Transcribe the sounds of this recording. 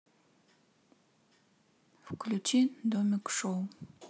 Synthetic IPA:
fklʲut͡ʃʰid̪omikʂow

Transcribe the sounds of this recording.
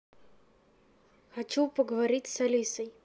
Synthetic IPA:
xɐt͡ɕupəɡəvɐɾʲitʲsɐlʲisəj

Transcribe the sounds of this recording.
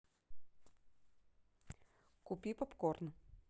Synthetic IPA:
kʊpʲipɐpkornə

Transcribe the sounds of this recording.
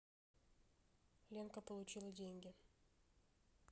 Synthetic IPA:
lʲenkəpəlˠʊt͡ɕilˠədʲenʲɡʲɪ

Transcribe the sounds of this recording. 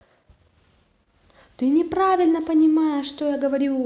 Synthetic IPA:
t̪ɨnʲɪpɾavʲɪlʲnəpənʲɪmajəʂt̪ojaɡəvɐɾʲu

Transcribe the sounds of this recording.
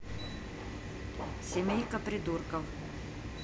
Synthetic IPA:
sʲemʲejkɐpɾʲɪd̪urkɐf

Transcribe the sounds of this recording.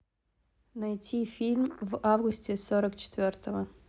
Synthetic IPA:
nɐjtʲʰifʲilʲmvavɡusʲtʲesoɾəkt͡ɕɪ̥t̪vʲort̪əvə

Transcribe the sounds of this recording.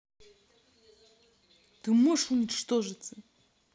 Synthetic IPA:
t̪ɨmɔʂunʲɪt͡ʃt̪ɔʐɨt̪sɨ

